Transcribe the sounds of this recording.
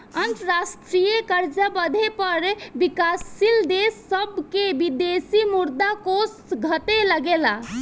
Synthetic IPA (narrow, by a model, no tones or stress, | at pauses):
ənt̪əɾasʈɾijəkəɾd͡ʒəbəd̪ʱepəɾbikasːild̪esːəbkebid̪esimuɾd̪akosɡʱət̪eləɡela